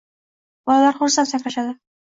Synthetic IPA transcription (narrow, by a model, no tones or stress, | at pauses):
bɒlˠalaɾχʊɾsant̪sakʲlaʃad̪ɪ